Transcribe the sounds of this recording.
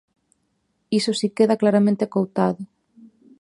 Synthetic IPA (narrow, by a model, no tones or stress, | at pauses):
isosikeðaklaɾamẽnt̪ekowt̪aðʊ